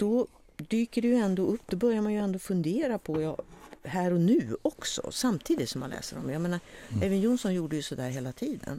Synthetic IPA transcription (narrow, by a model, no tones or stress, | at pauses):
d̪̥ɔ | d̪yːkəɖɛjɵɛnd̪oːɵpːd̪ɔbœɾjaɾmanjɵɛnd̪oːfɵnd̪eːɾapʰɔjɑ̰ːhæːɾɔnʉ̟ːɔksɔ̰samt̪ʰiːd̪ɪt̪sɔmːa̰nlɛ̰ːsəɾɔ̰mjameːnaɾɛvənjuːnsɔnjuːɖəjɵsɔd̪æːɾɦeːlat̪ʰiːd̪ə̰n